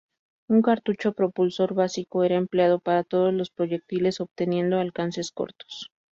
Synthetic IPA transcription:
uŋkaɾt̪ut͡ʃo̞pɾo̞pulso̞ɾβasiko̞e̞ɾaempleað̞o̞paɾat̪o̞ð̞o̞zlospɾo̞ʝe̞k̚t̪ile̞so̞βt̪e̞nje̞nd̪o̞alkanse̞sko̞̰ɾt̪o̥s

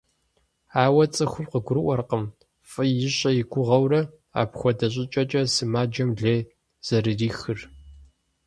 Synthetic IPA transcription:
aːwɐt͡sʼɨxʷʊmqəɡʷʊɾɨʔʷɔrqəm | fʼɨjɪɕʼɐjɪɡʷʊʁɐwrɐ | a̰ːpxʷɔdɐɕ̬ʼɪt͡ʃʼɐt͡ʃʼɐsɨmaːd͡ʒɐmɮeː | z̥ɐrɨriːxɨr

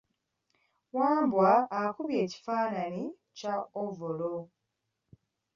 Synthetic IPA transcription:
waːmbwaːkuβje̞ːci̥faːnani | caovolo

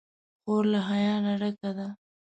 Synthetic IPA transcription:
xoɾlaɦajɑnaɾakad̪a

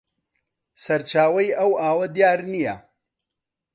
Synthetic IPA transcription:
sɐɾt͡ʃaːwɐjɐwaːwɐd̪jaːɾnija

